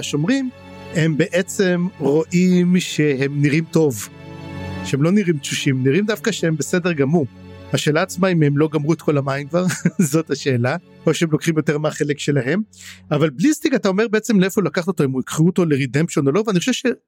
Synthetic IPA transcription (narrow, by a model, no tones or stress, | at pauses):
aʃo̞mʁim | he̞mbe̞ʔet͡se̞mʁoʔimʃe̞ɦe̞mniʁimto̞v | ʃeemlo̞niʁimtt͡ʃuʃimniʁimd̪afkaʃeembese̞de̞ʁɡamu | haʃe̞ːlaːt͡smaime̞mlo̞ɡamʁuet̪ko̞lamaimkvaʁzo̞t̪haʃe̞ːla | oʃeemlokχimjo̞teʁmeaχe̞lekʃe̞laɦe̞mavalblist̪ikatao̞me̞ʁbeet͡semleefoulakaχat̪ot̪o̞emuikχuoto̞leʁidempʃonolo̞vanixχoʃevʃe